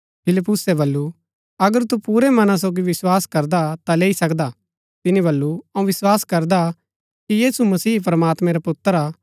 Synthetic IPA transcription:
pʰɪlɪpːʊsɛbɐlːu | ɐɡəɾt̪upuːɾɛmɐnãs̬oːɡiʋɪswaːskɐɾd̪at̪aleːisɐkd̪a | t̪ɪnibɐlːuɐũʋɪswaːskɐɾd̪a | kijiːsumɐsiːp̬ɾɐmaːt̪mɛ̃ɾapʊt̪ːəɾaː

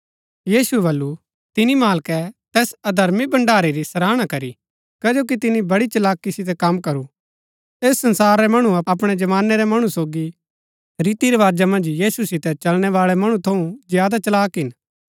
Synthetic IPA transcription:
jiːsuɛbɐlːu | t̪ɪnimaːlkɛt̪ɛːsɐd̪ʱɐɾmibɐ̃ɳɖaːɾiɾisɐɾaːɽ̃akɐɾi | kɐd͡ʒoːk̬it̪ɪnibɐɽit͡ʃɐlaːkːisɪt̪̬ɛkɐmkɐɾu | eːsːɐ̃nsaːɾːɛmɐɽ̃uɐɐpɽ̃ɛd͡ʒɐʋaːnːɛɾɛmɐɽ̃usoːɡi | ɾiːt̪iɾɐʋaːd͡ʒamɐ̃nd͡ʒjiːsusɪt̪ɛt͡ʃɐlɽ̃ɛʋaːɭɛmɐɽ̃ũt̪ʰɐũzjaːd̪at͡ʃɐlaːkɦɪn

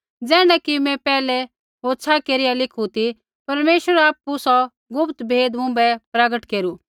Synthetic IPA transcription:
d͡zɛːɽ̃ɛkimɛ̃pɛːlɛ | ɦoːt͡sʰakeːɾɪjalɪkʰut̪i | pɐɾmeːʃʋəɾaːpːusɔ | ɡʊpt̪bʱeːd̪mʊ̃bɛpɾɐɡəʈkeːɾu

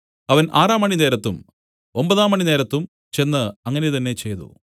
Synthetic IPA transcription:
ɐʋɐnʔaːraːmːɐɳine̞ːɾɐt̪ːum | o̞mbɐðaːmːɐɳine̞ːɾɐt̪ːum | t͡ɕe̞nːɨɐŋːɐnejt̪ɐnːe̞t͡ɕe̞jt̪ṵ

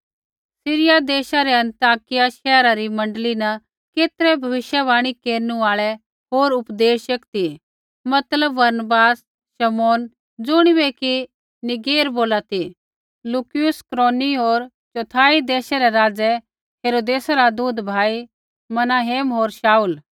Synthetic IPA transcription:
sɪɾɪjad̪eːʃaɾɛɐ̃nt̪aːkɪjaʃɛːɾaɾimɐ̃ɳɖlinɐ | keːt̪ɾɛbʱɐʋɪʃjabaːɽ̃ikeːɾnuaːɭɛ | ɦoːɾʊpd̪eːʃɐkt̪i | mɐt̪ləbːɐɾnəbaːs | ʃɐmoːn | d͡zʊɽ̃ibɛki | nɪɡeːɾboːlat̪i | lukɪjʊskɾoːniɦoːɾ | t͡ʃot̪ʰaːid̪eːʃaɾɛɾaːd͡zɛ | ɦeːɾoːd̪eːsaɾad̪uːd̪bʱaːi | mɐnaːɦeːmɦoːɾʃaːuːl

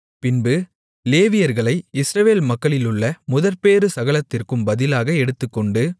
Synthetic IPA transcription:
pɪnbɯ | leːʋɪjɐɾɣɐɭɐɪɪsɾɐʋeːlmɐkːɐɭɪlɯɭːɐmʊðɐɾpeːɾɯsɐɣɐɭɐt̪ːɪrkɯmbɐðɪlaːɣɐɛɽɯt̪ːɯkːɔɳɖɯ

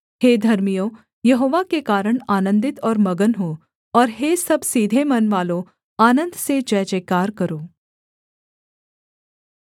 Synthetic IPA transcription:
heːd̪ʱɐɾmijõ | jɐɦoːʋakekaːɾəɽ̃aːnə̃nd̪ɪt̪ɔːɾmɐɡənɦoː | ɔːɾɦesɐbsiːd̪ʱemɐnʋaːlõ | aːnə̃nd̪sed͡ʒɛːt͡ʃeːkaːɾkɐɾoː

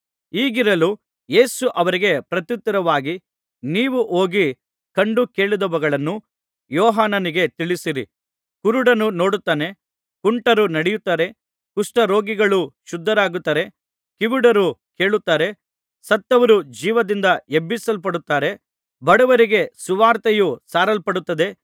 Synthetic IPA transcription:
iːɡiɾɐlu | je̞ːsuʔɐʋɐɾiɡe̞pɾɐt̪jut̪ːɐɾɐʋaːɡi | niːʋuʔo̞ːɡi | kɐɳɖuke̞ːɭid̪ɐʋɐɡɐɭɐnːu | jɔːɦaːnɐniɡe̞t̪iɭisiɾḭ | kuɾuɽɐnːuno̞ːɽut̪ːaːne̞ | kuɳʈɐɾunɐɽɛjut̪ːaːɾe̞ | kuʂʈɐɾo̞ːɡiɡɐɭuʃud̪ʱːɐɾaːɡut̪ːaːɾe̞ | kiʋiɽɐɾuke̞ːɭut̪ːaːɾe̞ | sɐt̪ːɐʋɐɾud͡ʒiːʋɐd̪ind̪ɐebːisɐlpɐɽut̪ːaːɾe̞ | bɐɽɐʋɐɾiɡe̞suʋaːɾt̪ejusaːɾɐlpɐɽut̪ːɐd̪e̞

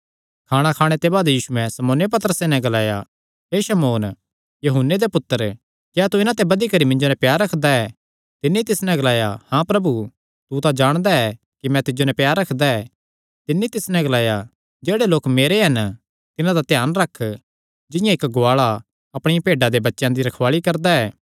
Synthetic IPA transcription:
kʰaːɽ̃akʰaːɽ̃et̪ebaːd̪jiːsuɛ̃sɐmoːnjep̬ɐt̪əɾəsenɛ̃ɡɐlaːja | ɦeːʃɐmoːn | jɐɦʊnːed̪epʊt̪ːəɾ | kjaːt̪uɪnãt̪̬ɛbɐd̪ikɐɾimɪ̃ɲd͡ʒonɛ̃pjaːɾːɐkʰd̪aɛ | t̪ɪnːit̪ɪsnɛ̃ɡɐlaːjahãpɾɐbu | t̪ut̪ad͡ʒaːɽ̃d̪aɛ | kimɛ̃t̪ɪd͡ʒonɛ̃pjaːɾːɐkʰd̪aɛː | t̪ɪnːit̪ɪsnɛ̃ɡɐlaːja | d͡ʒeːɽeloːkmeːɾeɦɐn | t̪ɪnãd̪at̪ɛjaːnɾɐkʰː | d͡ʒɪ̃jãɪkɡoaːɭa | ɐpɽ̃ɪjãpeːɖãd̪ebɐtːʃjãd̪iɾɐkʰʋaːɭikɐɾd̪aɛː

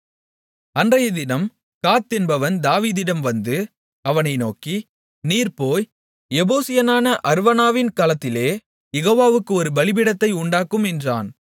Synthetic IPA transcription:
ɐndrɐjɐd̪ɪnɐm | kaːt̪ːɛnbɐʋɐnd̪aːʋiːðɪɽɐmʋɐnd̪ɯ | ɐʋɐnɐɪnoːki | niːɾpoːj | ɛboːsɪjɐnaːnɐʔɐɾʋɐnaːʋɪnkaːlɐt̪ːɪleː | jɛɣoːʋaːʋɯkːɯɔɾɯbɐɭɪb̬ɪɽɐt̪ːɐɪʊɳɖaːkɯmɛndra̰ːn

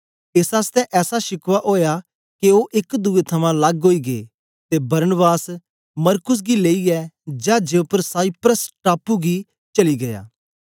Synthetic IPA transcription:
ɪsaːst̪ɛʔɛːsaʃɪkʋaʔoːja | keoʔɪkd̪uet̪ʰɐmãlɐɡɦoːiɡḛː | t̪ebɐɾənəbaːs | mɐɾkʊs̬ɡileːiɛd͡ʒad͡ʒepəɾsaːipɾəsʈaːpuɡi | t͡ʃɐliɡɐja̰ː

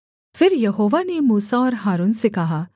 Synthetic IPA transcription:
fɪɾjɐɦoːʋanemuːsaɔːɾɦaːɾuːnsekɐɦaː

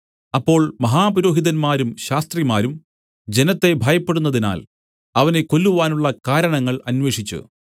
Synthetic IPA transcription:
ɐpːo̞ːɭmɐɦaːpuɾo̞ːɦiðɐnmaːɾumɕaːst̪rimaːɾum | d͡ʑe̞nɐt̪ːe̞bʱaːjɐpːe̞ɽunːɐðina̰ːl | ɐʋɐne̞ko̞lːuʋaːnuɭːɐkaːɾɐɳɐŋːɐɭɐnʋe̞ːʂit͡ɕːṵ

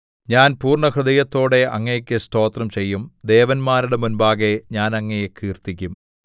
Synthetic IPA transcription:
ɲaːnpuːrɳɐkrɨðɐjɐt̪ːo̞ːɽe̞ʔɐŋːɐjekʲːɨsto̞ːt̪rɐmt͡ɕe̞jːumd̪e̞ːʋɐnmaːɾuɽemunbaːɣeɲaːnɐŋːejekʰiːrt̪ikʲːum

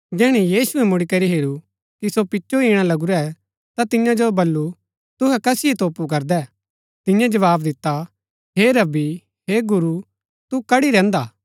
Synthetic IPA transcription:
d͡ʒɛːɽ̃ijiːsʊɛmʊɽikɐɾiɦeːɾu | kisopɪt͡ʃːʃoiːɽ̃alɐɡuɾɛ | t̪at̪ɪjãd͡ʒobɐlːu | t̪ʊɦɛkɐsɪjet̪oːpuk̬ɐɾd̪ɛː | t̪ɪ̃jãd͡ʒɐʋaːbd̪ɪt̪ːa | ɦeɾɐbi | heɡʊɾu | t̪ukɐɽiɾɛ̃ːnd̪aː

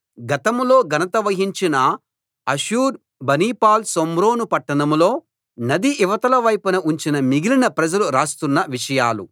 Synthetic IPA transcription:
ɡɐt̪ɐmlo̞ːɡɐnɐt̪ɐʋɐɦiɲt͡ʃinɐ | ɐʃuːɾ | bɐniːpaːlsomɾo̞ːnupɐʈːɐnɐmlo̞ː | nɐd̪iʔːʋɐt̪ɐlɐʋɐjpɐnɐuɲt͡ʃinɐmiɡilinɐpɾɐd͡ʒɐluɾaːst̪unːɐʋiʂɐjaːlṵ

